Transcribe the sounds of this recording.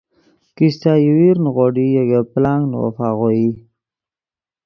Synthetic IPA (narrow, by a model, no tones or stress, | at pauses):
kist̪ajəwiɾnɣoɖijaɡaplaŋɡnwo̰faɣoji